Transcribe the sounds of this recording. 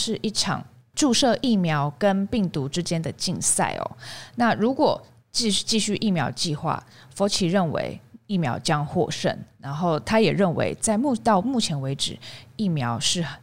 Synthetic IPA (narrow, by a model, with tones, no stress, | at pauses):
ʂɻ̩˥˧ʔi˥˩ʈ͡ʂʰɑ̰˨˩ŋ | ʈ͡ʂu˥˧ʂɤ˥˧ʔi˥˩mjɑ˧˥ʊkə˦npi˥˩ŋt̪u˧˦ʈ͡ʂɻ̩˦˥t͡ɕjɛ˥nd̪ə˨t͡ɕi˥˧ŋsa̰˥˩ɪɔ̰˨˩na˥˩ɻu˧˥kwɔ˨˩ | t͡ɕi˥˧˥t͡ɕi˥˧ɕy˥˧ʔi˥˩mjɑ˧˥ʊt͡ɕi˥˧xwa̰˥˩ | fo˧˥t͡ɕʰi˨ɻə˥˩nwḛ˧˥ɪi˥˩mjɑ˧˥ʊt͡ɕjɑ˦˥ŋxwɔ̰˥˧ʂə̰˥˩nɻa˧˥nxo˥˩ʊt̪ʰa˥jɛ˨˩ɻə˥˩nwḛ˧˥ɪt͡sa˥˧ɪmu˥˨t̪ɑ˥˧ʊmu˥˩t͡ɕʰjɛ˧˥nwe˧˥ɪʈ͡ʂɻ̩˨˩i˥˩mjɑ˧˥ʊʂɻ̩˥˩